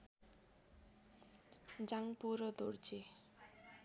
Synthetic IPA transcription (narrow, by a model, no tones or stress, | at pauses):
d͡ʑaŋpuɾod̪oɾd͡ʑe